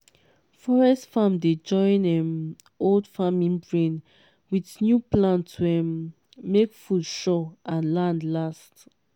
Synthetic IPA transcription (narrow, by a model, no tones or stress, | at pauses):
fɔɹɛstfãmded͡ʒɔ̃ɪ̃nɛ̃m | oldfamĩnbɹẽn | wiθnjuplãntʰuɛmː | ekfudʃɔãnlãndlast